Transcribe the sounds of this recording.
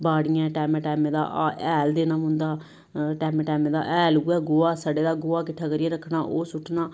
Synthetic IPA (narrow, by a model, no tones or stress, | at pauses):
baːɽɪjãːʈɛːmɛ̃ːʈɛːmẽːd̪a̰ːʔɛːld̪eːnãːmʊ̃nd̪aː | ʈɛːmɛːʈɛːmẽːd̪a̰ːʔɛːlɡʊɛːɡoːaːsəɖeːd̪aːɡʊːaːkɪʈʰaːkəɾɪjeːɾəkʰɽaːʔoːsʊʈʰːnaː